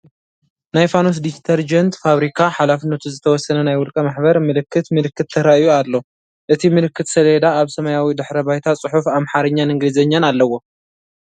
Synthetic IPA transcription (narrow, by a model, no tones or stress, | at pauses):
najfanos̬d̪ist̪ʰɐɾd͡ʒɐnt̪faβɾikʰaħalafɨnːɐt̪ʰuzɨt̪ʰɐwɔsːɐnɐnajwɔlkʼɐmaħbɐɾmɨlɨkʰːɨt̪mɨlɨkːɨt̪ʰːɐɾaʔijualːo̞ | ʔɨt̪ʰimɨlɨkːɨt̪sɐled̪aːβsɐmɐjawid̪ɨħɾɐbajt̪ʰat͡sʼɨħufamħaɾɐɲːanɨŋɡlɨzɐɲːanalːɐwːo̞